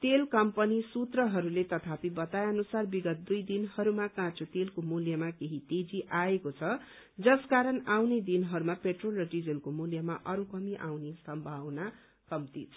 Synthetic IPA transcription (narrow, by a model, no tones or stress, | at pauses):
t̪elkʌmpʌnisut̪rʌɦʌɾulet̪ʌt̪ʰapibʌt̪ajʌnusarbiɡʌt̪̚d̪ujd̪inhʌɾumakãt͡sot̪elkomuljʌmakeɦit̪ed͡ziʔaekot͡sʰʌ | d͡zʌskaɾʌnawned̪inɦʌɾumapeʈrolrʌɖid͡zʌlkomuljʌmaʔʌɾukʌmiʔawnesʌmbʱawna | kʌmt̪it͡sʰ